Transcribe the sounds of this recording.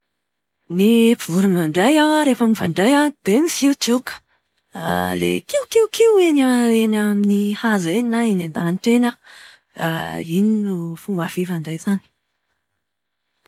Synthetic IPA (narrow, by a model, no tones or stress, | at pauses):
nipivuɾinaɳɖ͡ʐajawaɾefəmiva̰ɳɖ͡ʐajad̪̥enisiut̪ukə̥ | a̰lḛkiwkiwkiwenaenaminihazenainand̪anʈ͡ʂena | a̰ininufumɡafivaɳɖ͡ʐajzani̥